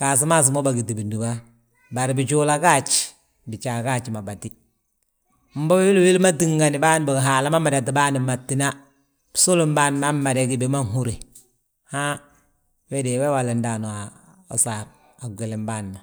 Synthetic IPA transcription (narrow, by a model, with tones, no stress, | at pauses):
ka˨s̬i˦ma˦s̬i˨mo˦ba˨ɡi˨ti˨bi˨ndi˨ba˦ | ba˨ɾbi˨t͡ʃu˦la˦ka˦t͡ʃ | bi˨t͡ʃa˨ka˦t͡ʃi˨ma˨ba˨ti˦ | m̩˦bɔ˦be˦wi˦lwi˦lma˦ti˦˨ŋɡa˨ni˨ba˦n˨ba˨ɦa˨la˦ma˦ma˨ɾa˨ti˨ba˦ni˨ma˨tːi˨na˦ | b̥su˦lu˦mba˦n˨ma˦ma˨ɾe˦ki˨be˨ma˦ŋɦu˦ɾi˨ | ha˦ | wɛ˦de˨wɛ˦wa˨le˨nda˨no˨a˨ | o̰˨saɾ | a˨ɡʷe˨le˨mba˦nːa˨